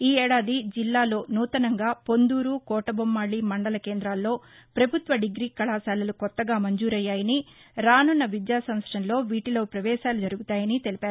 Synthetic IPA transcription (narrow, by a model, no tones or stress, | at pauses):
iːɛːɽaːd̪id͡ʒilːaːlo̞ːnuːt̪ɐnɐŋɡaːpo̞nd̪uːɾukɔːʈɐbomːaːɭimɐɳɖɐlɐkeːnd̪ɾaːlːo̞ː | pɾɐbʱut̪ʋɐɖiɡɾiːkɐɭaːsaːlɐlukɔt̪ːɐɡaːmɐɲd͡ʒuːɾɐjːaːjɐniɾaːnunːɐʋid̪jaːsɐmsʈɐnlo̞ːʋiːʈilo̞ːpɾɐʋɛːʃaːlud͡ʒɐɾuɡut̪aːjɐnit̪e̞lipaːɾu